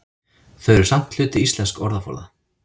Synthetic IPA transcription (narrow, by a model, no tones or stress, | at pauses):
θœɥɾɪɾ̥sam̥t̪l̥ʏːt̪ɪist̪lɛnskɔɾðafɔ̰ɾða̰